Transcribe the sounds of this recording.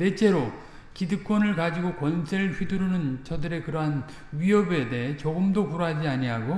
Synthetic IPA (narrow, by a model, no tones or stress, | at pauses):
net͡ɕ͈e̞ɾo | kidɯk͈wʌnɯɭkad͡ʑiɡokwʌnsʰeɾɯɭɸɥiduɾunɯnt͡ɕʌdɯɾe̞kɯɾʌɦan | ɥiʌbe̞deɦet͡ɕoɡɯmdokuɾoɦad͡ʑiaɲiɦaɡo